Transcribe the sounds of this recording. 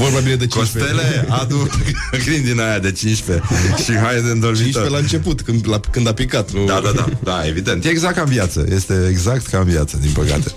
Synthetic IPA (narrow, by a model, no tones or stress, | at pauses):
vorbabined̪et͡ʃkost̪elead̪ukɾind̪inajad̪e̞t͡ʃinʃpe̞ʃiɦajed̪eɨnd̪olvĩʃopelaɨnt͡ʃe̞put̪kɨnlakɨnd̪apikat̪nud̪aad̪a̰d̪aevid̪e̞nt̪jeːɡzak̚kamvjat̪sə̰jest̪e̞ːɡzakt̪kamvjat̪səd̪inpəka̰t̪e